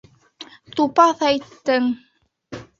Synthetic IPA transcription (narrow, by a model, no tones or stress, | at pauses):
t̪upɑθæjt̪ːɘŋ